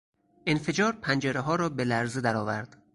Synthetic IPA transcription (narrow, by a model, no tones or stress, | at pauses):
ʔenfe̞d͡ʒɒːɾpʰænd͡ʒeɾeɦɒːɾɒːbelæɾzed̪æɾɒːvæɾd̪̥